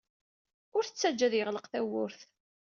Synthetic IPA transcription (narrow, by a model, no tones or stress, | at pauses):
ʊɾθət͡sːæd͡ʒːæðjəʁləqθæwʊɾθ